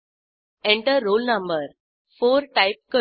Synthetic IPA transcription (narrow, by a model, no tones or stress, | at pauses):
ẽɳʈəːoːlnɐ̃mbəɾ | foːɾʈaɪp̚kə